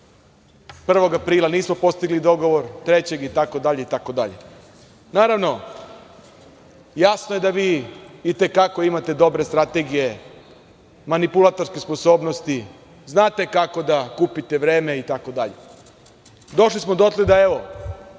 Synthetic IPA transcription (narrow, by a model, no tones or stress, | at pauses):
pr̩ʋo̞ɡapɾiːlˠaniːsmo̞po̞st̪iɡlid̪o̞ɡo̞ʋo̞ɾt̪ɾe̞t͡ɕe̞ɡit̪ako̞d̪aʎeit̪ako̞d̪aʎe̞̰ | naːɾaʋno̞ | jasnoje̞d̪aʋiːt̪e̞kako̞imat̪e̞d̪o̞bɾe̞st̪ɾat̪e̞ɡije̞ | manipulˠat̪o̞ɾskespo̞so̞ːbno̞st̪i | znaːt̪e̞kako̞d̪akupit̪e̞ʋɾe̞ːme̞it̪ako̞d̪aʎḛ | d̪o̞ʃlismo̞d̪ot̪led̪ae̞ʋo̞